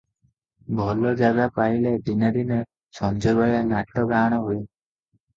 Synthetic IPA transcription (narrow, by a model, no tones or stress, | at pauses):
bʱɔlɔd͡ʒaɡapailed̪inaɾine | sʰɔnd͡ʒɔbɔjanaʈːɔɡaɽ̃ɔɦoj